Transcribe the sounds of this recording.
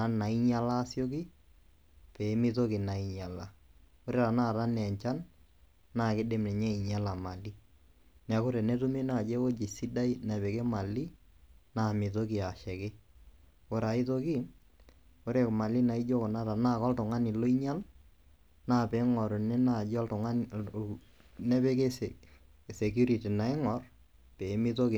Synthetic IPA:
a˦na˨i˦ɲa˦la˦sjo˦k̬ɪ˦ | pɛ˨˦mɪ˦to˦kɪ˨na˨i˨ɲa˨la˦ | o˦ɾe˦ɾa˨na˦˨ɾa˦nɛ˨ɲt͡ʃa˦n | na˦˨kɪ˦de˨˦mnɛ˨ɲɛ˦i˨ɲa˦la˨ma˨li˦ | n˨a˨˦kʊ˦ɾɛ˨nɛ˦tu˦me˦na˦˨d͡ʒɛ˦o˦d͡ʒi˨si˦da˦i˦na˨pɛ˨ke˦ma˨li˦ | na˦˨mɪ˨to˦ki˨a˨ʃɛ˨kɪ˦ | ko˨ɾa˨ɪ˦to˦ki˦ | ko˦ɾe˨kma˨li˦na˨i˦d͡ʒo˦ko˨na˦ta˨na˦˨kɔ˦ltʊ˨ŋa˦ni˨lo˦i˦ɲa˦l | na˦pɛ˨˦ŋɔ˨ɾnɛ˦na˦˨d͡ʒɔ˦ltʊ˨ŋa˦n | nɛ˦bɛ˦ke˦ | sɛ˨k̬ju˦ɾi˨ti˨na˨ɪ˦ŋɔ˨r | pɛ˨˦mɪ˦to˦ki˨

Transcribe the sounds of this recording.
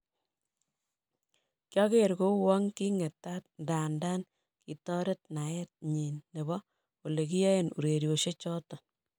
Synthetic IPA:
kjɔ˦ke˦˨ɾko˦wɔ˦ŋki˦ŋe˨tːa˦t̚nda˨ndaː˦n | ki˨tɔ˦ɾe˦tna˨jɛ˦t̚ɲi˨nːe˨bɔ˦ | o˨le˨ki˦je˦e˦nṵ˨ɾe˨ɾjo˨ʃe˦t͡ʃɔ˦tɔ˨

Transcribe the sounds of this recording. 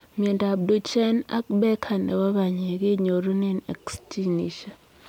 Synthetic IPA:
mi˨ɛ˨nda˨bdo˨t͡ʃɛ˦na̰˦k̚bɛ˦kʰa˨nɛ̰˨wa˦βa˨ɲe˨ɡe˦ɲo˨ɾo˦ne˦nɛ̰˨ksti˦nḭ˨ʃa˨

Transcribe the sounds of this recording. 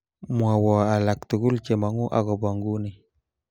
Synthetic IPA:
mwa˨wɔ˨a˨la˨kt̪u˨ku˦lt͡ʃe˨ma˨ŋu˦ʔa̰˨kɔ˨ba˨ŋɡu˦ni˨

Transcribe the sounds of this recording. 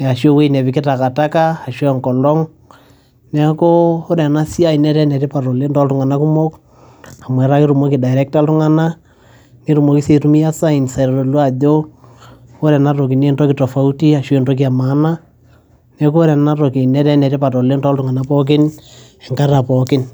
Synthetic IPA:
a˨ʃo˦we˦nɛ˨βɪ˨kɪ˦ta˨ka˨ta˦kaː˦˨ʃwŋkɔ˨lɔ˦ŋ | nɛ˦ko˦o˦ɾɛ˨na˦si˦a˦i˨nɛ˦ɾɛ˦nɛ˨ɾe˦pa˨ɾɔ˨le˦ntɔ˦ltu˦ŋa˨na˦ku˦mo˦k | a˨mwɛ˨ɾa˦ki˦ɾu˨mo˦ki˨da˨jɾɛ˦k̚ta˦ltu˦ŋa˦na˦ | ni˦ɾu˨mo˨˦ki˦se˨ɾu˦mi˦ja˦sa˦i˨nsa˨ɾɔ˨do˨lwa˦˨do˦ | o˦ɾɛ˨na˦ɾo˨ki˨ne˦ntɔ˦kitɔ˨fa˦u˦ti˦a˨ʃe˦ntɔ˦k̬i˦a˨ma˨˦na˦ | nɛ˨ko˦ɾɛ˨na˦ɾo˨ki˨nɛ˦ɾɛ˦nɛ˨ɾɪ˦pa˨tɔ˨le˦ntɔ˦ltu˦ŋa˨na˦pɔ˦k̬ɪ˦n | ɛ˨ŋka˦ɾa˨pɔ˨kɪ˦n

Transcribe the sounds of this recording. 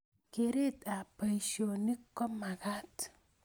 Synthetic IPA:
ke˨ɾe˦t̪a˨pə˨jʃo˨ni˦kːɔ˦ma˨ɡa˦t̪

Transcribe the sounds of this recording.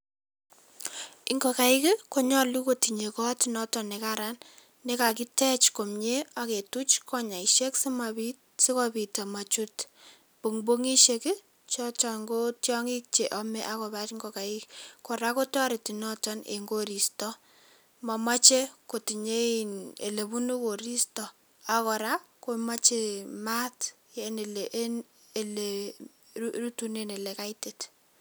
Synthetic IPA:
iŋɡo˨ka˨i˦ki˦ko˦ɲɔ˦lu˦ko˦ti˨ɲe˨kɔ˦ti˦nɔ˦tɔ˨ne˨kaɾanː | e˦ka˨ki˦tɛ˦t͡ʃko˨mɲe˦a˦ke˨tu˦t͡ʃkʰɔ˦ɲa˨i˨ʃe˦ksi˦mai | si˦kɔpi˨ta˨ma˨t͡ʃu˦t | pu˨ŋbo˦ŋi˦ʃeki˦ | t͡ʃɔt͡ʃɔ˨ŋɡo˦tjɔŋi˦k̚t͡ʃe˨ʔɔ˦mɛ˦ʔa˦kɔ˨bat͡ʃiŋɡɔ˨ka˨i˦kkɔ˨ɾa˦ko˦tɔ˦ɾɪ˨ti˨nɔ˦tɔ˦nḛ˨ŋɡo˦ɾi˨stɔ˦ | mɔ˨ma˦t͡ʃe˦ko˨ti˨ɲe˦i˨nḛ˨le˨bu˦nu˦ko˨ɾi˦stɔ˨ | a˨kɔ˨ɾa˦ko˦ma˦t͡ʃe˦ma˦t | je˨ne˨leʔn | e˨le | ru˦tu˨ne˦ne˨le˨ka˦tet

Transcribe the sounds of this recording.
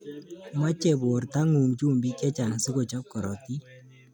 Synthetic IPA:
ma˦t͡ʃɛ˨bo˨rta˦ŋu˨ŋt͡ʃu˦˨mbi˦kɛ˦t͡ʃa˨ŋsi˦ko˨t͡ʃɔ˦p̚kɔ˨ɾɔ̰˨ti˦

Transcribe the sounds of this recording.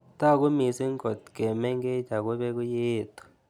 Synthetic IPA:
ta˦˨k̬u˦mi˨si˦ŋ˦ɡɔ˨tɡɛ˨mɛ˦ŋɡɛ˦d͡ʒʱa˨ku˦ɓɛ˦k̬u˦jeː˦˨t̪ʰu̥˨

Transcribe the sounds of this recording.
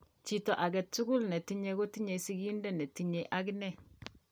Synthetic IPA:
t͡ʃi˦tɔ˨ʔa˨ɡɛ˨tːu˦ɡu˦lnɛ˨ti˦ɲɛ˨˦ɡo˦ti˦ɲe˨˦si˦ɡi˦ndɛ˦˨nɛ˨ti˦ɲe˨˦ʔa˦ɡnɛ˦

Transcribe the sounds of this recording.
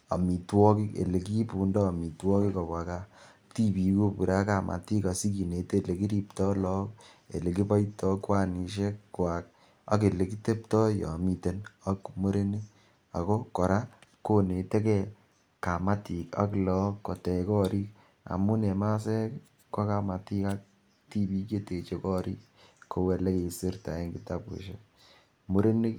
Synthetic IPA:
a̰˨mi˨twɔ˦ki˦kḛ˨le˨k̬i˦pu˨ndɔː˦˨mi˨twɔ˦ki˦kɔ˨βa˨ka˦ | ti˦pi˨˦ko˦pu˨ɾa˦ka˨mʔa̰˨ti˦ka˨si˦ki˨ne˨te˦˨le˨ki˦ɾi˦p̚tɔ˦lɔ˦k | ḛ˨le˨ki˦pa˦jtɔ˦kwa˦ni˨ʃ̬e˦kkwa˨k̚ | a̰˦ke˨le˨ki˦te˦ptɔ˦jɔ̰˨mi˨te˨na˦kmo˦ɾe˦ne˦ | a̰˨ko˦kɔ˨ɾa˦ko˦ne˨te˦kɛ˦ | ka˨ma˦ti˨ka̰˦klɔ˦kːɔ˨tɛ˨kɔ˦ɾi˦k | a̰˨mu˦ne˨ma˦sɛ˦k | kːa˦ka˨ma˨ti˦ka˦k̚ | ti˦bi˦ke˦te˨t͡ʃe˦kɔ˦ɾḭ˦k | kʰːo˨wɛ˨le˦ke˨si˦ɾta̰˨e˦ŋɡi˨ta˦pḛ˨ʃe˦ | mu˦ɾe˦ni˦

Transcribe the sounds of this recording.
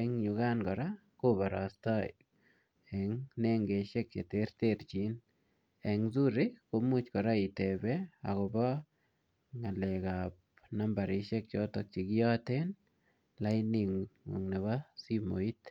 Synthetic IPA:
eŋju˨ɡa˦nɡɔ˨ɾa˦ | ko˦ba˨ɾa̰˨st̪ɔ˦j̰ | ɛ˨ŋne˦ŋɡe˨ʃe˦k̚t͡ʃe˨t̪e˦ɾt̪eɾt͡ʃi˨˦n | e˨ŋzu˦ɾɪko˨˧mu˦t͡ʃkɔ˨ɾa˦i˨t̪e˨bɛ˦a̰˨kɔ˨bɔ˦ | ŋa˨le˨kap | na˦mba˨ɾi˨ʃe˦k̚t͡ʃɔ˦t̪ɔ˨k̚t͡ʃi˨ɡɔ˦t̪e˦n | la˦jniŋṵ˨ŋne˨βa˦si˦mo̰˨i˦t̪

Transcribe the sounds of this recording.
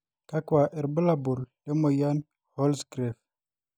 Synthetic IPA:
ka˦kwa˨ʔɛ˨ɾbə˦la˨bu˨lle˦mo˨ja˦n | hɔ˦lsɡɾe˨f

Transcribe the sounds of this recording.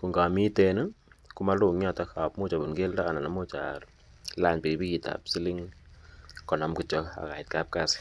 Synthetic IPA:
ku˨ŋɡa˨mi˦tɛ˧nɨ˦ku˦ma˦lu˦˨ŋɲa˦˨ta˨xa˨pmo˦t͡ʃa˨bu˨nɡe˦lda˦ka˨na˨na˨mo˦t͡ʃa̰˨ɾ | la˦ɲpi˨bi˦ki˨ta̰˨psi˦li˦ŋ | kɔ˨nɔ˨mkɨ˦t͡ʃɔ˧a̰˨ka˨ɪ˨t̚ka˦p̚ka˦s

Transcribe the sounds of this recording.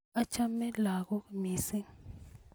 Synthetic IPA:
a˦t͡ʃʰa˦mɛ˦la˨kɔ˦miː˨sɛ˦ŋ

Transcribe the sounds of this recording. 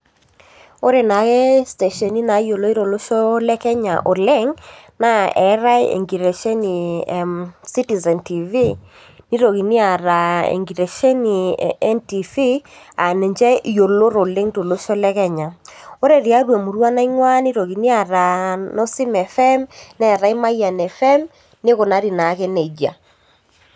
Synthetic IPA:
o˦ɾe˨na˨ɣɛ˦ste˨ʃɔ˨ni˦na˨˦jo˨lo˦i˦ɾo˨lo˦ʃo˦lɛ˦kɛ˦ɲa˨ʔo˨le˦ŋna˦ɛ˨˦ɾa˦ḛ˨ŋɡi˨ɾe˨ʃe˦ni˨msi˦ti˨zɛ˨nti˨vi˦ | ni˦ɾo˨ɣi˨ni˦a˨ɾa˨ḛ˨ŋɡi˨ɾe˨ʃe˦ni˨ɛ˦nti˨fi˦ | a˨ne˨ɲd͡ʒɛ˦ʔjo˨lo˦ɾo˨le˦ŋto˨lo˦ʃo˦lɛ˦kɛ˦˨ɲa˨o˦ɾe˨ɾi˨a˨˦ɾwɛ˨mo˨ɾwa˦na˦i˦ŋwa˦ni˦ɾo˨ɣi˨ni˦a˨ɾa˨no˦si˦mɛ˨fɛ˦mnɛ˦˨ɾa˦i˦ma˦ija˨nɛ˨fɛ˦m | ne˦ko˨na˨˦ɾi˨na˨˦kɛ˦nɛ˨d͡ʒa̰˨

